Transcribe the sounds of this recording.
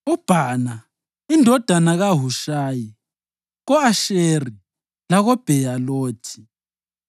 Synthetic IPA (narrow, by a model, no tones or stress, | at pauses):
ub̥ʱaːna | indʱɔd̥ʱanaɣaɦuʃaːji | ɣɔaʃeri | laɣɔb̥ʱɛjaloːtʰi̥